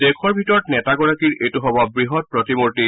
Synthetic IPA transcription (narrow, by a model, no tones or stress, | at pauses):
dekʰɔɹbʱitɔɹɔtnɛtaɡɔɹakiɹʔejtuɦɔbɔbɹiɦɔt̚pɹɔtimoɹti